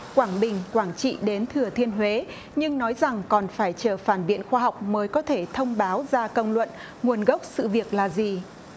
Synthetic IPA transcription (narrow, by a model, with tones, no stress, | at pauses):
kwaː˧˩ŋɓï˨˩ŋ̟kwaː˧˩ŋt͡ɕḭ˧˨ɗe˨˦nt̪ʰɨ˨˩ət̪ʰi˧ənɦwe˨˦ | ɲɨ˧ŋnɔ˨˦jza˨˩ŋkɔ˨˩nfaː˧˩jt͡ɕəː˧˩faː˧˩nɓḭ˧˨ənxwaː˧ɦa˨˩wk͡p̚məː˨˦jkɔ˨˦t̪ʰe˧˩t̪ʰə˧wŋ͡mɓaː˨˦wzaː˧kə˧wŋ͡mlwə̰˧˨n | ŋu˨˩ənɣə˦˥wk͡p̚sɨ̰˧˨vi˨˩ək̚laː˨˩zi˨˩